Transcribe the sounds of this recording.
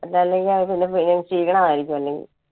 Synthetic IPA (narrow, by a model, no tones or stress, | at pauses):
ɐlːaːlːeŋɡilaʋpinːefineŋsiːkːɐɳɐmaːjiɾikʲːumɐlːe̞ŋɡḭl